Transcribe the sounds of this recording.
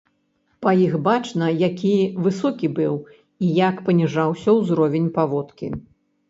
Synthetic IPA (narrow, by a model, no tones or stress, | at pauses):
pɐjixbat͡ʂnɐjakʲivɨsɔkʲibɨw | ijakpɐnʲiʐawsʲɐwzɾɔvʲenʲpavɔt̪kʲḭ